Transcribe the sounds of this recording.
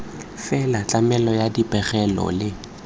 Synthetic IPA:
fɛlat͡ɬʼamɛlɔjadipʼɛχɛlɔ̰lɪ

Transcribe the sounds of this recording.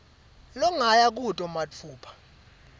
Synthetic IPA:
lɔŋajak̬ʼutʼɔmat͡fʰuːpʰḁ

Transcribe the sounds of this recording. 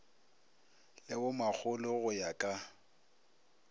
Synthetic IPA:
lɪwʊmak͡xʰʊlʊɣʊjakʼa

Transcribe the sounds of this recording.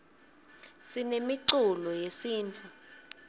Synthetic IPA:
sinemiǀulɔjesiːntʰʼu

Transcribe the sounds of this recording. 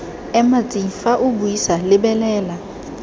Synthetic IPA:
ɛmat͡sʼiŋ̩faʔʊbuisalɪbɛlɛːla

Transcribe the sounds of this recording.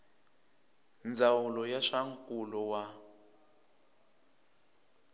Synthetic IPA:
nd͡zawulɔjaʂaŋkʼulɔwa

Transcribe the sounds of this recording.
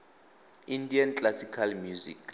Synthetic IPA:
indiant͡ɬʼlasikʰalmjuzḭk

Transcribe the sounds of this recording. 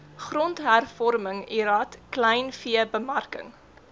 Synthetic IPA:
χrɔntɦærfɔrməŋiɾɐtklɛjnfiəbəmɐrkə̰ŋ

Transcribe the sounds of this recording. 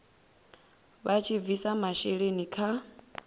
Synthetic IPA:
βat͡ʃʰib̪visamaʃeɺenikʰa

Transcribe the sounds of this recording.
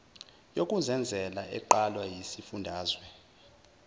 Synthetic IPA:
jokʼuzɛnd͡zʱɛlaʔɛǃalwajisifundʱaːzwɛ

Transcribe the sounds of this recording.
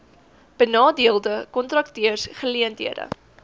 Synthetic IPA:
b̥ənɑːdiəlˠdəkɔntrɐk̚tiərsχəliəntḭədə̰

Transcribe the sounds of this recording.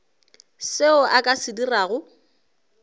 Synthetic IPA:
seʊʔakʼasɪdiraːɣʊ

